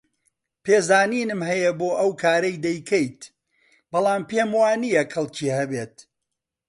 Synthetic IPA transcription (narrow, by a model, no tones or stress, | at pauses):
peːzaːniːnɨmɦɐjɐboːʔɐwkʰaːɾɐjd̪ɐjkʰɐjt̪ | bɐlˠaːmpeːmwaːnijɐkɐlˠcʰiːhɐbeːt̪̚